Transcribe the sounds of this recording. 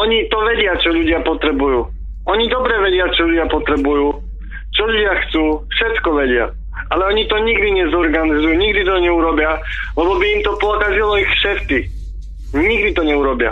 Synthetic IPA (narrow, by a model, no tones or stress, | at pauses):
ɔɲit̪ɔʋɛɟɪat͡ʃɔʎuɟɪapɔt̪ɾɛbujuː | ɔɲid̪ɔbɾɛʋɛɟɪat͡ʃɔʎuɟɪapɔt̪ɾɛbujuː | t͡ʃɔʎuɟɪaxt͡suːfʃɛt̪kɔʋɛɟɪa̰ | alɛɔɲit̪ɔɲiɡd̪iɲɛzɔɾɡanizujuːɲiɡd̪it̪ɔɲɛuɾɔbɪalɛbɔbiːmt̪ɔpɔkazilɔixfʃɛt̪ki | ɲiɡd̪it̪ɔɲɛuɾɔbɪa̰